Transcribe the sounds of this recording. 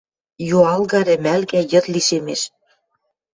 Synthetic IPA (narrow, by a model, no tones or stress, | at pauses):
joɑlɣɑɾĕmælɡæjɤ̆t̪liʃemeʃ